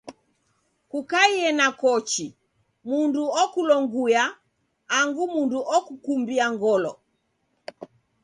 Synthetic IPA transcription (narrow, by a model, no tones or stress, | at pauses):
kukaiɛnakɔt͡ʃi | munduɔkulɔŋɡujaː | ŋɡumunduʔɔkukumbiaŋɡɔlɔ